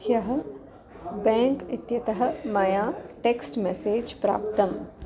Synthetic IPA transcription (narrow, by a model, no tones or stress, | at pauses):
hjɐɦɐ̆ | bɛ̃ːŋkit̪jɐt̪ɐɦɐ̆mɐjaːʈeːksʈmeseːd͡ʒpɾa̰ːpt̪ɐm